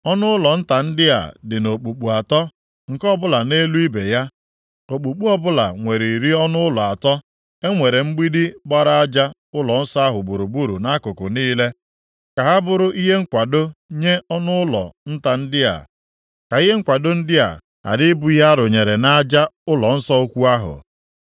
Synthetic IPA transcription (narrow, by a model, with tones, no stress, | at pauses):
ɔ˦nʊ˦ʊ˦lɔ˨n̩˦ta˨n̩˦dɪ˦a̰˨dɪ˨no˨k͡pu˨k͡pu˨a˨tɔ˦ | ŋ̩˨kɔ˦bʊ˦la˨ne˦lu˦i˦be˨ja˦ | o˨k͡pu˨k͡pu˦ɔ˦bʊ˦la̰˨ŋʷe˨ɾi˨i˨ɾi˦ɔ˦nʊ˦ʊ˦lɔ˨a˨tɔ˦ | e˦ŋʷe˨ɾe˨ŋ͡m̩˦ɡ͡bi˦di˦ɡ͡ba˦ɾa˦a˦d͡ʒa˦ | ʊ˦lɔ˨n̩˦sɔ˦a˦ɦʊ˨bu˨ɾu˨bu˦ɾu˨na˦kʊ˨kʊ˨niː˦le˦ | ka˨ɦa˦bʊ˨ɾʊ˦ʔi˦ɦe˦ŋ̩˦kʷa˨do˦ɲe˦ɔ˦nʊ˦ʊ˦lɔ̰˨n̩˦ta˨n̩˦dɪ˦a̰˨ | ka˨i˦ɦe˦ŋ̩˦kʷa˨do˦n̩˦dɪ˦a̰˨ | a̰˨dɪ˦bu˨˦i˦ɦa˦ɾʊ˨ɲe˨ɾe˨na˦d͡ʒa˦ʊ˦lɔ˨n̩˦sɔ˦o˦kʷu˦a˦ɦʊ̰˨